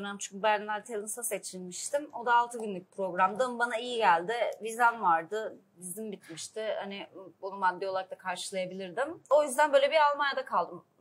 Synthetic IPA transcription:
ønamt͡ʃʰyɲcbæɾʲnæɾt̪ʰelʲimsase̞t͡ʃʰilʲmiʃt̪imo̞d̪aːlˠt̪ʰɯbinlʲic̚pʰɾo̞ɡɾamd̪ambanaijiɟælʲd̪ɪvizanvaɾd̪ɯ | bizimbit̪miʃt̪ʰɪha̰nɪbunumad̪ːeolˠaɾakt̪akʰaɾʃɯlˠajabilʲiɾd̪imo̞jyzd̪ænbøːlʲeiɾalˠmanjad̪akʰalˠd̪ɯm

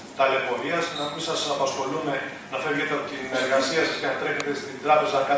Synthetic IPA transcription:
t̪ɐle̞po̞ɾiɐsnɐmisɐsɐpɐsxo̞lume̞ | nɐfevʝet̪eɐpot̪ine̞ɾɣɐsiɐsɐscenɐt̪ɾe̞çet̪e̞st̪ind̪ɾɐpe̞zɐkɐ

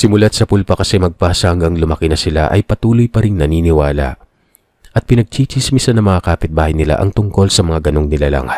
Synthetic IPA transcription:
sɪmʊlat̪̚sɐpʊlpɐkɐsɛmɐɡ̚paːsɐhɐŋɡɐŋlʊmɐkɪnɐsɪla̰ʔɐjpɐt̪uːlojpɐɾɪŋnɐniːnɪwaːlɐ̰ | ʔɐt̪̚pɪnɐɡ̚t͡ʃiːt͡ʃismisɐnɐŋmɐŋakaːpɪt̪̚baːhɐjnɪla̰ʔɐŋt̪ʊŋko̞lsɐmɐŋaɡɐno̞ŋnɪlala̰ŋɐt̪̚

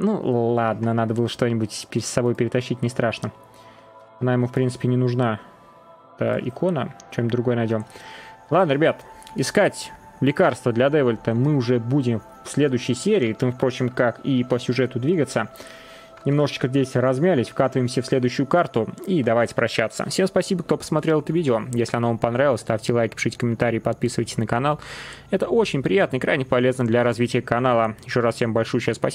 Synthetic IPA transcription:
nṵllˠad̪nənad̪əbɨlˠəʂt̪o̞nʲɪbutʲpʲɪɾʲɪd̪sɐbo̞jpʲɪɾʲɪt̪ɐɕːitʲnʲɪst̪ɾaʂnə | ɐnajɪmufpɾʲinsɨ̥pʲɪnʲɪnʊʐna | ɛt̪ə̰ɪ̰kʰo̞nə̰t͡ɕomd̪ɾʊɡo̞jənɐjdʲo̞mlˠad̪nəɾʲɪbʲat̪ɪskatʲ | lʲɪkarst̪vəd̪lʲɐd̪ɛvəlʲt̪əmɨʊʐɛbudʲɪm | fsʲlʲe̞d̪ʊɕːɪjsʲeɾʲɪːt̪ɨmfpɾo̞t͡ɕɪmkakipəsʲʊʐɛt̪ʊd̪vʲiɡət̪sə | nʲɪmno̞ʐɨt͡ɕkəɡdʲetʲɾɐzmʲælʲɪsʲfkat̪əvəjɪmsʲəfsʲlʲe̞d̪ʊjɕːʊjʊkart̪ʊid̪ɐvajtʲɪ̥pɾɐɕːat̪sːə̰fsʲe̞mspɐsʲibəkt̪o̞pə̥smɐt̪ɾʲelˠɛt̪əvʲidʲɪojesʲlʲɪɐnavampɐnɾaɪlˠəsʲt̪afʲtʲɪlˠajkʲpʲɪ̥ʂɨtʲkəmʲɪnt̪aɾʲɪiːpɐt̪̚pʲisɨvəjtʲɪ̥sʲnəkɐn̪alˠɛt̪əʔot͡ɕɪnʲpɾʲɪjat̪nəɪkɾajnʲɪpɐlʲe̞znəd̪lʲɐɾɐzvʲitʲɪjəkɐnalˠəjɪɕːo̞ʐasfsʲembɐlʲʂujt͡ɕaspɐ

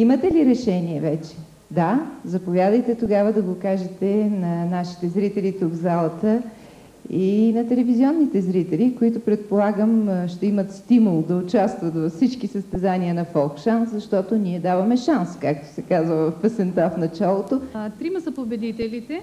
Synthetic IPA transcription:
imət̪ɛliɾɛʃɛniɛvɛt͡ʃɛ̥ | d̪azɐpovʲjad̪əjt̪ɛt̪oɡavəd̪ɐɡokaʒɛt̪ɛnɐnaʃi̥t̪ɛzɾit̪ɛlit̪uɡzalˠɐt̪ə | inɐt̪ɛlɛvizʲiɔnːit̪ɛzɾit̪ɛlikoit̪ʊpɾɛt̪̚polˠaɡəmʃt̪ɛimət̪st̪imulˠd̪ɐʊt͡ʃast̪vət̪vɐfsit͡ʃkisəst̪ɛzaniənɐfɔlˠkʃanszɐʃt̪ɔt̪oniɛd̪avɐmɛʃanskak̚t̪o̥sɛkazvəɐfpɛsɛnt̪afnɐt͡ʃalˠot̪ot̪ɾimɐsɐpobɛd̪it̪ɛlit̪ɛ

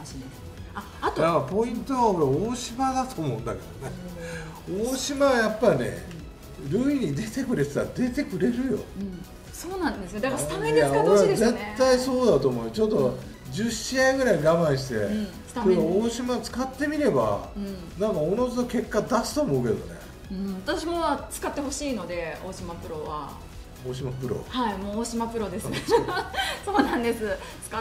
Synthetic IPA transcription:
a | atjaapo̞ĩnt̪o̞βao̞ɾeoːɕimad̪at̪oːmo̞ɯ̟̃nd̪ake̞d̪̥one | oːɕimaβajapːaɾʲinḛ | ɾɯ̟ːiɲ̟id̪e̞t̪e̞kɯ̟ɾe̞t͡sɨ̥t̪aɾad̪e̞t̪e̞kɯ̟ɾe̞ɾɯ̟jo̞̰ | soːnãnd̪esd̪akt̪ajao̞ɾeaze̞t̪ːaiso̞ːd̪at̪oːmo̞ɯt͡ɕo̞t̪ːo̞ | d͡ʑɨɕiaiɡɯ̟ɾaiɡamãɰ̃ɕi̥t̪ẽ̞ | skt̪aeaoːɕimat͡sɨ̥kat̪ːe̞mʲiɾe̞ba̰ɯ̟̃ | nãŋkaonot͡sɨt̪oke̞kːad̪asɨ̥t̪o̞ːmo̞ɯ̟ke̞̰d̪o̞̰nḛ | ɯ̟̃at̪aɕiɡaβat͡sɨ̥kat̪ːeho̞ɕiːno̞d̪e̞oːɕimapɯ̟ɾo̞βa̰ | oːɕ̬imapɯ̟ɾo̞̰haimoːɕimapɯ̟ɾo̞d̪es | soːnãnd̪e̞sɨ̥ | a

